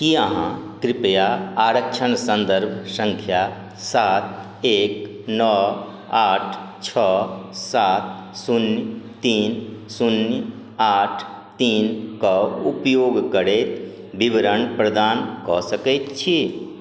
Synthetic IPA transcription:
kiəɦã̰kɾɪpəjaaːɾəkt͡ʃʰənsə̃nd̪əɾbʱsə̃ŋkʰja | saːt̪̚ʰ | eːk | nɔ | aːʈʰt͡ʃʰɔːsaːt̪̚sunjt̪iːnsunjə | aːʈʰ | t̪iːnkɔupjoːɡkəɾet̪ | bibɾənpɾəd̪aːnkɔsəkɛt̪t͡ʃʰi

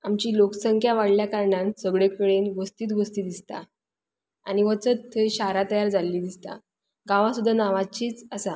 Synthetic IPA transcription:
amt͡ɕiːlokəsəŋkʰjaʋaɽljakaɾɳansəɡɭekəɭenʋəst̪iːt̪ɡʱost̪iːd̪ist̪a̰ | a̰ɽ̃iʋət͡sətt̪ʰːeɕaɾat̪əjaɾd͡zalːiːd̪ist̪a̰ | ɡãʋãsud̪ʱːanaʋat͡ɕiːt͡səsa

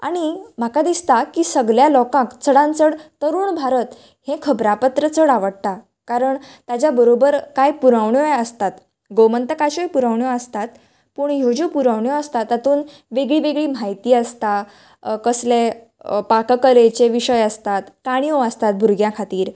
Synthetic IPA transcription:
a̰ɽ̃im̤akad̪ist̪akiːsəɡljalɔkãkt͡səɽãnt͡səɽt̪əɾuːɳbʱaɾət̪ | hẽkʰəbɾapət̪ɾət͡səɽaʋəɽt̪a | kaɾəɳt̪at͡ɕjabəɾobəɾkajpuɾaʋɳjoeəst̪at̪ | ɡomənt̪əkaɕojpuɾaʋɳjoəst̪at̪ | puːɳjod͡ʑupuɾaʋɳjoəst̪at̪at̪uːn | ʋeɡɭiːʋeɡɭiːm̤ajt̪iːəst̪a | kəsle | pakkəɾet͡ɕeʋiɕəjəst̪at̪kaɽ̃ijoəst̪at̪̚bʱuɾɡjãkʰat̪iːɾ

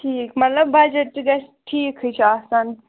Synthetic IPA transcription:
ʈʰiːkmɐt̪lɐbːɐd͡ʒeʈːɡɐsʈʰiːkɦut͡ʃʰiasɐn

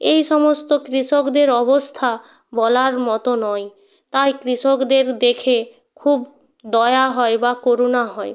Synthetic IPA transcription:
ejʃɔmost̪okɾiʃokd̪eɾɔbost̪ʰa | bɔlaɾmɔt̪onɔj | t̪ajkɾiʃokd̪eɾd̪ekʰe | kʰub | d̪ɔeaɦɔebakoɾunaɦɔe

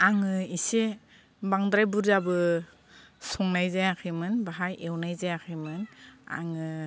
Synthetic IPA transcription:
aŋɯise | baŋdɾajbuɾzabɯ | sɔŋnajzajakʰɯmɯnbaɦajʔewnajzajakʰɯmɯna̰ŋɯ

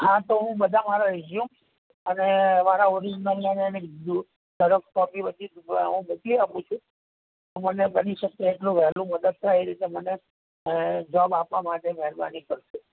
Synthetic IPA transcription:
ɦãt̪oɦũbəd̪ʱamaɾaɾid͡ʒjum | ənemaɾaoɾianianened̪u | səɾəkkɔpibəd͡ʒ̪iɦũmukiapũt͡ʃʰũ | t̪omənebəniʃəkːeːʈlũʋɛɦlũməd̪əd̪̚t̪ʰaiɾit̪eməne | d͡ʒɔbapʋamaʈemɛɦɾba̰nikəɾʃu

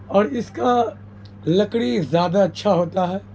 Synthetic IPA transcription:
ɔːɾɪska | lɐkɽ̃izjaːd̪aɐtːʃʰaɦoːt̪aɦɛː

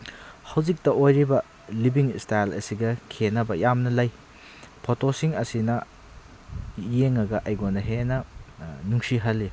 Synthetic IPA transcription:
hɐwzik̚tɐojɾibɐ | libiŋstajlɐ̰siɡɐkʰenɐbɐjamnɐlaj | pʰotosiŋɐsinɐ | jeŋɐɡɐʔajɡonɐɦenɐnuŋsiɦɐlːi

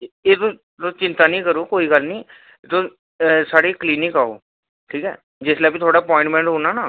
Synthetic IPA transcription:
eːt̪õː | t̪õːt͡ʃɪ̃nt̪aːnĩːkəɾoːkoːiːɡəlnĩː | t̪õː | saːɽiːkliːnɪkaːo̰ː | ʈʰiːkɛ̰ː | d͡ʒɪslɛːpit̪ʰoːɽaːəpɔ̃ːɪ̃ɳʈmɛ̃ːɳʈɦoːnaːnaː

